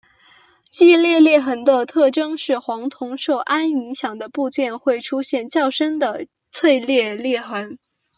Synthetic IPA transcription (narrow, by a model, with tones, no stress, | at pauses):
t͡ɕi˥˧ljɛ˥˧ljɛ˥˩xə˧˥nd̪ə˧t̪ʰɤ˥˩ʈ͡ʂɤ˥ŋʂɻ̩˥˩xwɑ˧˥ŋt̪ʰʊ˧˥ŋʂo˥˩ʊʔa˥ni˧˥ŋɕjɑ˨˩ŋd̪ə˦pu˥˧t͡ɕjɛ˥˧nxwe˥˩ɪʈ͡ʂʰu˥ɕjɛ˥˧nt͡ɕjɑ˥˩ʊʂə˥nd̪ə˨ | t͡sʰwe˥˧ɪljɛ˥˧ljɛ˥˩xə˧˥n